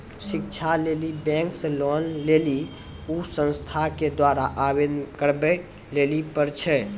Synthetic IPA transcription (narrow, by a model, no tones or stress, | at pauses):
sik̚t͡ʃʰalelibɛ̃ŋksə̃lonleli | usə̃nst̪ʰaked̪waɾaʔabed̪nkəɾbɛ | lelipəɾt͡ʃʰɛ